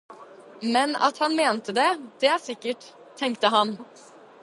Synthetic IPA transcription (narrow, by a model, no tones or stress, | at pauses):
mɛnɑ̰t̪hɑnmeːnt̪əd̪ɛd̪̥ɛæːʂɪkːəʈ | t̪ʰːɛŋk̚t̪əɦɑn